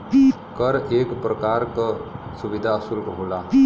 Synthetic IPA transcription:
kəɾeːkpɾəkaːɾkəsuʋid̪ʱaəsulkɦola

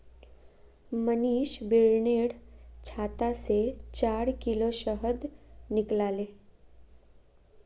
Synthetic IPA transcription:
məniːʃbiɭɳeːɽt͡ʃʰaːt̪aset͡ʃaːɾkiloʃəɦəd̪nɪklaːleː

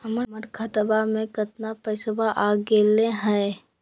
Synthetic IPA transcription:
həməəɾkʰət̪əbamẽkət̪napəɪsəbaʔaːɡeːlẽɦɛe

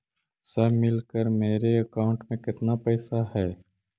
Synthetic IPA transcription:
səɦmɪlkəɾmeːɾeɐkaːʊ̃ɳʈmẽkɪt̪napəːsahɛː

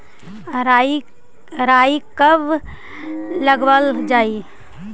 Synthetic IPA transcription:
ɾai | ɾaːikəb | ləɡwəld͡ʒaːi

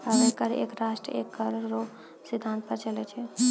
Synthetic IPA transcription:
aɾekːəɾḛkɾasʈɾə̰ekːəɾːo | sid̪ʱãnt̪̚pəɾt͡ʃəlɛt͡ʃʰɛ

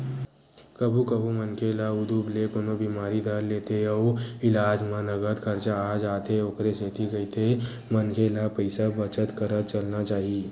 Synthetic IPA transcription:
kəbʱũkəbʱumənkʰelaʊd̪ublekoːnobiːmaːɾid̪ʱəɾleːt̪eɔːɾɪlaːd͡ʒmãnɐɡət̪kʰɐɾt͡ʃaaːd͡ʒaːt̪eoːkɾeseːt̪iɡɐit̪ʰe | mənkʰelapəɪsabət͡ʃət̪kəɾət̪t͡ʃəlnat͡ʃaːɦie

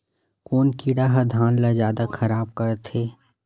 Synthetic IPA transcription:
koːnkiːɽaɦɐd̪ʱaːnlazjaːd̪axʰɐɾaːb̚kɐɾt̪ʰeː

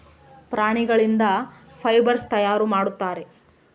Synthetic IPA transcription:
pɾaːɳiɡɐɭind̪ɐpʰɐjbɐɾst̪ɐjaːɾumaːɽut̪ːaːɾe̞

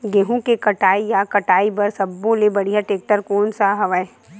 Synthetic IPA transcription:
ɡeɦũkekɐʈaːijakɐʈaːibɐɾsɐbːõlebɐɽiɦaʈeːk̚ʈəɾkoːnsaɦɐʋae

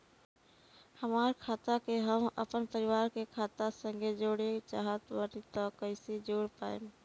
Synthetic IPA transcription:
həmaːɾkʰaːt̪akeɦəmə̰pənpəɾiʋaːɾkekʰaːt̪asə̃ŋɡed͡ʒoɽet͡ʃaːɦət̪ʋəɾit̪ɔkəɪsid͡ʒoːɽpa̰ːḛm

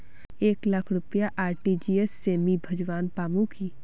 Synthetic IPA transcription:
eːklɐkʰɾʊpjaʔaːɾʈid͡ʒiesːeːmibʱɐd͡ʒʋaːnpaːmũkʰiː

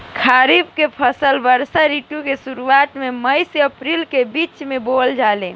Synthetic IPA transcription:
kʰaɾibkepʰəsəlbəɾsaɾiʈukesuɾuat̪meməjseəpɾilkebit͡ʃmebold͡ʒalẽ

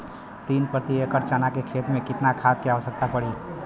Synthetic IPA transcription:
t̪inpɾət̪iekəɾt͡ʃənakekʰet̪mẽkɪt̪nakʰad̪̚keaəsək̚t̪apəɽi

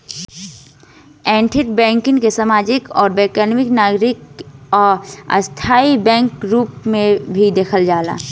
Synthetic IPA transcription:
ɛ̃ːɳʈʰɪʈ̚bɛ̃ːŋkɪ̃ŋkesamaːd͡ʒɪkɔːɾbɛːkanmɪknaːɡɾɪkɔːɾə̰st̪ʰaːibɛ̃ːŋkɾuːpmẽbʱid̪eːkʰəld͡ʒaːla̰ː

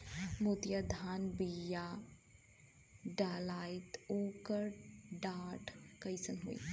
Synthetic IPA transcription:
mot̪jad̪ʱaːnbijaː | ɖaːlaːɪt̪oːkəɾɖaːʈkɐjsənɦo̰ḭ

